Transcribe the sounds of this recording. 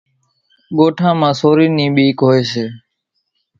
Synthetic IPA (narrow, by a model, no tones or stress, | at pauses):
ɠoːʈʰãːmãːsoːɾiːnĩːɓiːkɦoːeːseː